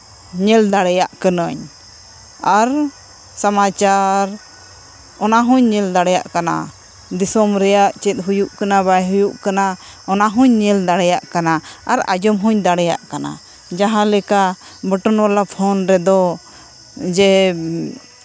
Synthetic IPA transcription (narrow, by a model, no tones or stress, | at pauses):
ɲɛld̪aɽɛjaʔkənəɲ | aɾ | samat͡ʃaɾ | ɔnaɦuɲːɛld̪aɽɛjaʔkana̰ | d̪isɔmɾɛjaʔt͡ʃɛt̪̚ˀɦujuʔkanabajɦujuʔkana | ɔnaɦuɲːɛld̪aɽɛjaʔkanaa̰ɾa̰d͡ʒɔmɦuɲd̪aɽɛjaʔkana̰ | d͡ʒaɦãlɛka | bəʈɔnwalapʰɔnɾɛd̪ɔ | d͡ʒɛ